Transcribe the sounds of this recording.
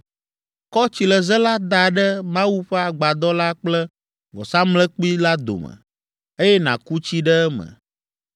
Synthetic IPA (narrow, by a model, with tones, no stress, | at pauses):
kɔ˦t͡ɕi˨lɛ˨zɛ˦la˦d̪a˨ɖɛ˦mã˦wu˦ɸɛ˦a˨ɡ͡ba˨d̪ɔ˦la˦k͡plɛ˦ | vɔ̰˨sã˦mlɛ˦k͡pi˦la˦d̪o̰˨mə̰˨ | e˦jɛ˦nã˨ku˦t͡ɕi˦ɖɛ˦ɛ˦mə̰̃˨